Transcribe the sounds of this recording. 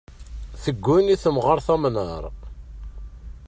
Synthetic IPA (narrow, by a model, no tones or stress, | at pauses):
θəɡːuniθəmʁəɾˤθæmnəɾˤ